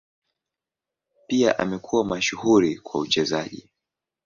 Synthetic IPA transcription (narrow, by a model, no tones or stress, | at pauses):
piaʔa̰mɛkʰuwamaʃuhuɾikwa̰ut͡ʃɛzaʄḭ